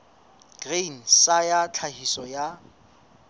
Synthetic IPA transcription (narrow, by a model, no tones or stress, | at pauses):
ɡ̥ren̩sajat͡ɬʰahisɔja